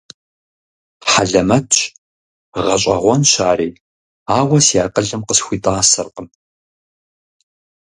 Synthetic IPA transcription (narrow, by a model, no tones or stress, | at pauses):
ħaɮɐmɐtʰʼɕ | ʁɐɕʼɐ̰ʁʷɔnʃaːɾiː | aːwɐsiaːqəɮɨmqəsxʷiːtʼaːsɐrqəm